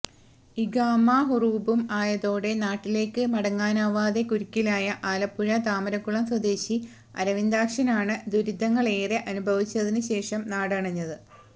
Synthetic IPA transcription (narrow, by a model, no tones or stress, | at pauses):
iɡaːmːaːɦuruːbumaːjɐðo̞ːɽe̞naːʈːile̞ːkːɨmɐɽɐŋːaːnaːʋaːd̪e̞kuɾikʲːilaːjɐʔaːlɐpːuɻɐt̪aːmɐɾɐkːuɭɐmswɐd̪e̞ːɕi | ɐ̰ɾɐʋind̪aːkʂɐnaːɳɨd̪uɾid̪ʱːɐŋːɐɭe̞ːreʔɐnubʱɐʋit͡ɕːɐðinɨɕe̞ːʂɐmnaːɽɐɳɐɲːɐðɨ